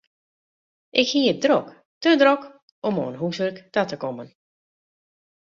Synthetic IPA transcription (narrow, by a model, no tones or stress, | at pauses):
ʔɪkhiədrɔk | tədrɔk | ɔmo̰ːənɦusərktatəkɔmən